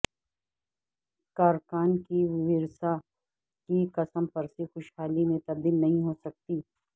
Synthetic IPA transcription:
kaːɾkaːnkiʋɪɾsa | kikɐsəmpɐɾsexʊʃhaːlimẽt̪ɐb̚d̪iːlnɐɦĩɦoːsɐk̚t̪iː

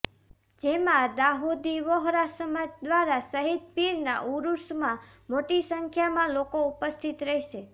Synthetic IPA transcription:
d͡ʒemãd̪aɦud̪iʋɔɦɾasəmad͡ʒd̪ʋaɾasəɦit̪piɾna̰ʔuɾusmã | moʈisəŋkʰjamãlokoupəst̪ʰit̪ɾəɦiʃe

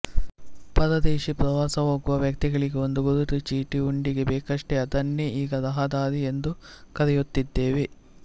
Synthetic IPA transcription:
pɐd̪ɐd̪eːʃipɾɐʋaːsɐɦoːɡuʋɐʋjɐk̚t̪iɡɐɭiɡeond̪uɡuɾuʈ̪ut͡ʃiːʈiuɳɖiɡe̞bɛːkɐʂʈeɐd̪ɐnːeʔiːɡɐd̪ɐɦɐd̪aːɾie̞nd̪ukɐɾɛjut̪ːid̪ːe̞ːʋe

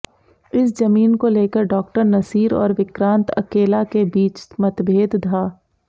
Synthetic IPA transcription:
ɪsd͡ʒɐmiːnkoleːkəɾɖɔːkʈəɾnɐsiːɾɔ̰ːɾʋɪkɾãːnt̪ɐ̰keːlakebiːt͡ʃmɐt̪bʱeːd̪d̪ʰʱaː

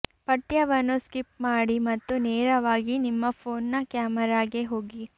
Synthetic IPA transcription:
pɐʈjɐʋɐnːuskipmaːɽimɐt̪ːuneːɾɐʋaːɡinimːɐpʰoːnːɐkjaːmɐɾaːɡeɦo̞ːɡi

